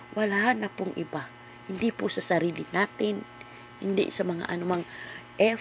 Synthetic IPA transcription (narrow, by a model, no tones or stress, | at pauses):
wʔalahanːɐpʊŋʔiba | hind̪ipʊsasaɾilɪnat̪ɪn | hɪ̰nd̪ɪ̰sɐmɐŋa̰ʔɐnumaŋʔɛ